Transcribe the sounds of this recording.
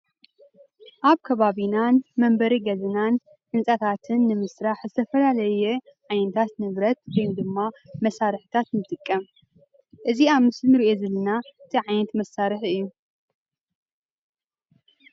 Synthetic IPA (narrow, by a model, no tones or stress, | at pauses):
ʔaβkʰɐβaβinanmɐmbɐɾiɡɐzɨnan | ʕɨnsʼɐt̪ʰat̪ʰɨnːɨmɨsɾaħzɨt̪ʰɐfɐlalɐjeʕajnɐt̪ʰat̪nɨβɾɐt̪̚wɔjmd̪ɨmːamɐsaɾħɨ̥t̪ʰat̪nɨt̪ʼɨkʼːɐm | ʔɨziaβmɨslnɨɾiʔo̞zɐlɐnaɨt̪ʰiʕajnɐt̪mɐsːaɾɨħʔɨjːu